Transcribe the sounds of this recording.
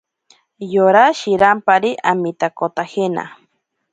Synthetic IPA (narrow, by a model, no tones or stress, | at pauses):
joɾaʃiɾampaɾiʔamit̪akot̪ahena̰